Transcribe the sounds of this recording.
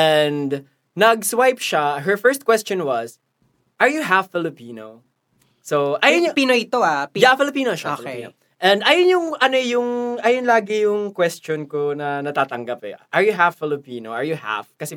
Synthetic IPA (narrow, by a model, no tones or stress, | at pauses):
ʔɛnd̪ | nɐɡswajpʃaɦɛɹfɛɹst̪̚kwɛst͡ʃɔnwɐs | ʔɐɹjʊɦafːɪlɪpiːno̰ | sowʔajopinoɪt̪oajafɪlɪpiːnoʃaopino | ʔɛ̃nd̪ʔɐjonjʊŋʔɐnojʊŋʔɐjonlaːɡɪjʊŋkwɛst͡ʃonkonɐnɐt̪aːt̪ɐŋɡapɛ̰ʔɐɹjʊɦafːɪlɪpiːnoʔɐɹjʊha̰fkɐsɛ